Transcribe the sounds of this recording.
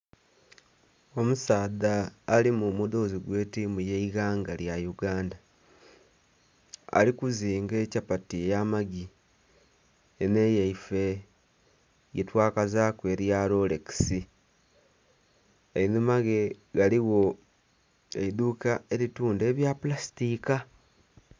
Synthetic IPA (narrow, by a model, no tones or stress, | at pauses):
o̞musaːðaːlimumudo̞ziɡwe̞ːtimujeiɣaːŋɡaljajuɡaːnda | a̰likuziːŋɡe̞capatiejamaɡi | ene̞jeife̞ | jetwaːkazakwe̞ɾjalo̞leki̥si | einumaɡe̞ɡaliɣo̞ | eiduːkae̞ɾituːnde̞ːβjapulasi̥tika